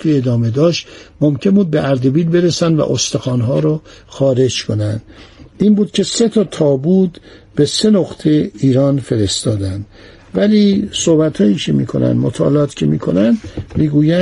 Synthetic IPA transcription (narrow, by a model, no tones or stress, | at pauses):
ied̪ɒːme̞d̪ɒːʃt̪momcʰe̞nbuːd̪̚beʔæɾd̪ebiːlbe̞ɾesænd̪væ̰ʔost̪exɒːnɦɒːɾɔxɒːɾe̞d͡ʒkʰonænd̪iːnbuːd̪̥cʰe̞se̞t̪ʰɒːt̪ʰɒːbuːd̪ | be̞se̞noχt̪ʰeiːɾɒːnfe̞ɾest̪ɒːd̪ænd̪̥ | væliːsohbæt̪hɒːiːcʰemḭːkʰo̞̰næ̰nd̪mo̰t̪ʰɒ̰ːlɒːt̪cʰemiːkʰo̞̰nænd̪miːɡuːjæ